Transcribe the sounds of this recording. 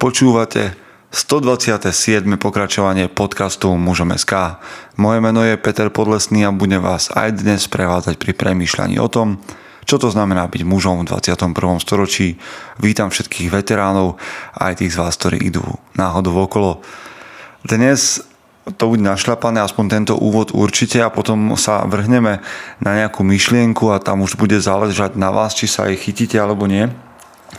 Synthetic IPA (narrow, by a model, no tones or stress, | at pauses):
pɔt͡ʃuːʋacɛ̰ | st̪ɔd̪ʋat͡sɪat̪ɛsɪɛd̪mɛpɔkɾat͡ʃɔʋaɲɪɛpɔt̪kast̪umuʒɔmɛ̰skaːmɔjɛmɛnɔjɛpɛt̪ɛɾpɔd̪lɛsniːabuɟɛʋaːza̰jd̪ɲɛspɾɛʋaːd͡zacpɾipɾɛmiːʃla̰ɲḭːʔɔ̰t̪ɔm | t͡ʃɔt̪ɔznamɛnaːbiɟmuʒɔmvd̪ʋa̰t͡sɪat̪ɔmpr̩ʋɔmst̪ɔɾɔt͡ʃiːʋiːt̪amfʃɛt̪kʰiːɣʋɛt̪ɛɾaːnɔʊa̰jt̪iːɣzʋaːsk̚t̪ɔɾḭːʔḭd̪ṵːnaːɦɔd̪uɔkɔlɔ | d̪ɲɛs | t̪ɔbuɟɛnaʃʎapanɛːaspɔɲt̪ɛnt̪ɔ̰ʔṵːʋɔd̪ṵɾt͡ʃicɛapɔt̪ɔmsa̰ʋr̩ɦɲɛmɛnaɲɛakuːmiʃlɪɛŋkuat̪a̰muʒbuɟɛzalɛʒaɟnaʋa̰ːst͡ʃisa̰a̰jxiciːcɛalɛbɔɲɪɛ